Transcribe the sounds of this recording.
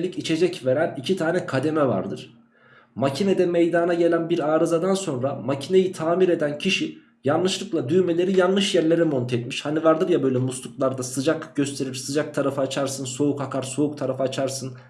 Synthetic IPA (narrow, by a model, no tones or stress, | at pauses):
lʲicit͡ʃʰe̞d͡ʒɛcve̞ɾænicʰit̪ʰaːnɛkʰad̪e̞mɛva̰ɾd̪ɯɾ̥ | macʰined̪ɛmejd̪anaɟe̞lʲænbiɾaːɾɯzad̪anso̞nɾamacʰine̞jit̪ʰaːmiɾe̞d̪æncʰiʃi | janːˠɯʃlˠɯklˠad̪yjme̞lʲe̞ɾijanlˠɯʃjæɾlʲe̞ɾɛmo̞nt̪ʰeɛt̪miʃhanivaɾd̪ɯɾjabø̞jlʲɛmuslˠuklˠaɾd̪asɯd͡ʒakɟø̞st̪ʰe̞ɾiɾsɯd͡ʒak̚t̪ʰaɾafɯaːt͡ʃʰaɾsɯnso̞ukhakʰaɾso̞uk̚t̪ʰaɾafɯat͡ʃʰaɾsɯn